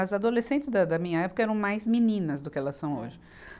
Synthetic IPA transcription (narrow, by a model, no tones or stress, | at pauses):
ɐzad̪olesẽnt͡ʃɪzd̪ɐd̪ɐmĩɲɐɛpʊ̥kɐɛɾɐ̃w̃majzminĩnɐzd̪ʊkɪɛlɐsɐ̃w̃o̰ʒɪ